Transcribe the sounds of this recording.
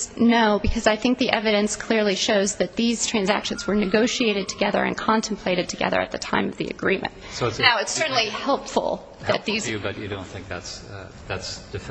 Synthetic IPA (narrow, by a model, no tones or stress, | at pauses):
noʊbɨkʰʌzaɪθɪ̃ŋk̚ðiʔɛvɨɾɨ̃nskʰl̥ɪɹlˠiʃoʊzðɨt̪̚ðiz̥tʰɹ̥æ̃nzæ̰kʃɨ̃n̩zwə˞nɨɡoʊʃieɪɾɨd̚tʰɨɡɛðə̰˞ɨ̰̃nkʰɑ̃ntʰmpʰl̥eɪɾɨd̚tʰɨɡɛ̰ðə̰˞ɨ̰t̪̚ðɨtʰã̰ɪ̃mʌvðḭɨ̰ɡɹĩmɨ̰̃nt̚soʊnaʊɨtsɜ˞ʔn̩lˠihɛlˠpfl̩ˠ | ðɨt̪̚ðizɨbʌt͡ʃɨdõʊ̃nθɪ̃ŋk̚ðæts | ðætsd̥ɪf